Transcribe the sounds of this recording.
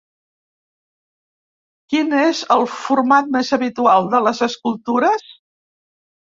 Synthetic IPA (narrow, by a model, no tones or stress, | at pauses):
kinezəlˠfuɾmat̪̚mezəβit̪ualˠd̪ələzəskulˠt̪uɾəs